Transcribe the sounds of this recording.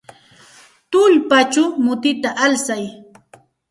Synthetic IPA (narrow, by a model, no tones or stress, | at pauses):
t̪ʊʎpat͡ʃamʊt̪ɪt̪aʔalsaj